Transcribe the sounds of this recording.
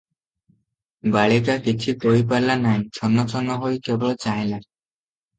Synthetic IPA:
baɭikakit͡ʃʰikoɦip̬aɾlanaj̃t͡ʃʰɔnːɔt͡ʃʰɔnɔɦojkebɔɭɔt͡ʃaj̃la

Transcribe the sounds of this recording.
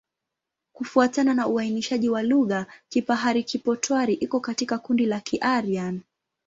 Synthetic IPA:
kufuatananauainiʃaʄiwaluɣakipaɦaɾikipɔtwaɾiʔikɔkatikakundilakʰiʔaɾian

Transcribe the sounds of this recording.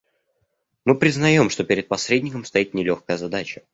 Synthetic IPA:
mɨpɾʲɪznɐjo̞mʂt̪o̞pʲɪɾʲɪt̪̚pɐsɾʲedʲnʲɪkəmst̪ɐit̪nʲɪlʲo̞xkəjəzɐd̪at͡ɕə̥

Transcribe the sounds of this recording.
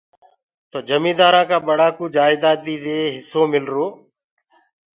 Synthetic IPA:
t̪oːd͡ʒəmĩːd̪aːɾãːkãːɓəɽaːkuːd͡ʒaːɪd̪aːd̪iːd̪eːɦɪsoːmɪlɾoː

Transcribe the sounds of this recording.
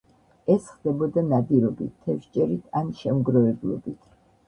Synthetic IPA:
ɛsχd̪ɛbɔd̪anad̪iɾɔbit̪t̪ʰːɛfʃt͡ʃʼɛɾit̪ʰanʃɛmɡɾɔvɛblˠɔ̰bit̪ʰ

